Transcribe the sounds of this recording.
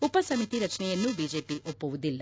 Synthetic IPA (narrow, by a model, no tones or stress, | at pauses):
upɐsɐmit̪iɾɐt͡ʃnɛjenːubid͡ʒeːpiʔopːuʋud̪ilːɐ